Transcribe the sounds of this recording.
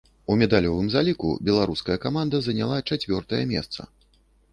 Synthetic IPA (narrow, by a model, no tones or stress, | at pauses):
umʲɛd̪alʲɔvɨmzalʲikṵbʲɛlˠaɾuskɐjɐkamand̪ɐzɐnʲalˠat͡ʂat͡sʲvʲɔrt̪ɐjɐ̰mʲɛ̰st̪sɐ̰